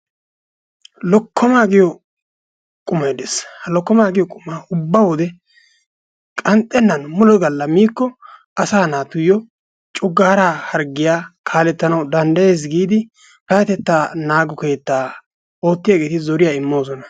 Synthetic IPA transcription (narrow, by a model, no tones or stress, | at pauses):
lɔkʰːɔmaːɡɪjɔ | kʼʊmːɐjd̪eshɐlɔkːɔmaːɡɪjɔkʼʊmːaːʊbːawɔd̪ɛ | kʼɐnt̪ʼːɛnːɐnmʊlɔɡɐlːɐmiːkːɔʔɐsaːnaːt̪ʊjɔ | t͡ʃʼʊɡːaːɾahɐɾɡɪjaːkʰaːlɛt̪ːɐnɐwd̪ɐnd̪ɐje̞ːs̬ɡiːd̪ɪ | kɐjɐt̪ɛt̪ːaːnaːɡɔke̞ːt̪ːaː | o̞ːt̪ːɪjaɡe̞ːt̪ɪzɔɾɪjaːɪmːo̞ːsɔnɐ